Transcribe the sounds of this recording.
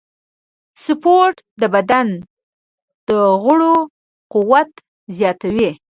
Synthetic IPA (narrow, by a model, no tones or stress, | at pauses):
sʊpoʈ | d̪əbad̪an | d̪̥əɣʊɽo | qʊwat̪ | zjɑt̪awi